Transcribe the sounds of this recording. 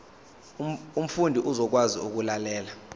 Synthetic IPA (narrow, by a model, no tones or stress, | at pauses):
um̩fundʱiʔuzɔk̬wazḭuk̬ulalɛːla